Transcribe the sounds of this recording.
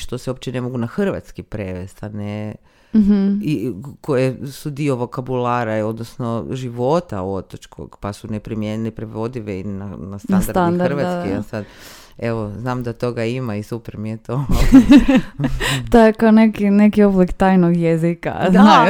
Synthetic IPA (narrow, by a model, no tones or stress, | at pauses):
ʃt̪oseop̚t͡ʃene̞mo̞ɡunaxr̩ʋa̰t̪skipɾeʋest̪ane | m̩ɦ̩iko̞jesud̪ioʋo̞kabulaːɾaio̞d̪nosnoʒiʋo̞t̪a̰o̞t̪ot͡ʃkʰo̰ɡ̥pasunepɾimjeɲilipɾeʋo̞d̪iʋeinanast̪ansɾand̪aɾrʋakiasad̪ | eʋoznaːmd̪at̪o̞ɡaimaisupeɾmijet̪o | t̪ojekaonekinekio̞blikt̪ajnoɡjezika̰a